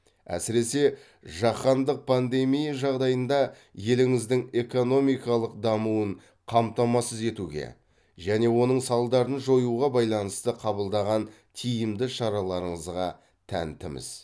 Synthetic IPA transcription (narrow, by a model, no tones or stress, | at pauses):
æ̰sɪɾe̞se̞ | ʒɑχɑnd̪əq̚pʰand̪e̞mijaʒɑʁd̪ɑjənd̪ɑ | je̞lɪŋɪzd̪ɪŋe̞ko̞no̞mijkɑlˠəq̚d̪ɑmuwəɴ | qʰɑmt̪ɑmɑsəze̞t̪uɡʲe̞̰ | ʒæne̞wo̞nəɴsɑlˠd̪ɑɾənʒo̞juʁɑbɑjlˠɑnəst̪əqʰɑbəlˠd̪ɑʁɑn | t̪ʰijɪmd̪ɪʃɑɾɑlˠɑɾəɴəzʁɑ | t̪ʰæ̰nt̪ɪmɪ̰z̥